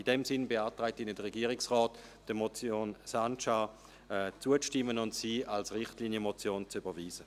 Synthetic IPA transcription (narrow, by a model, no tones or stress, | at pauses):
idɛmsɪnbeaːtʁɛɪtiːnədəʁɛɡiːɐʁɪksʁɔːtd̥əmɔt͡sjoːnsant͡ʃa | ɛt͡suət͡sʃtɪmːənʊntsiːalsʁɪχtliːnjəmot͡sjoːnt͡syb̥ɐviːzə